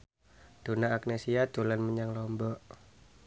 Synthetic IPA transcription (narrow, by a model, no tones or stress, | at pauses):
d̥onaːk̚nesiat̪ulanməɲaŋlɔmbɔʔ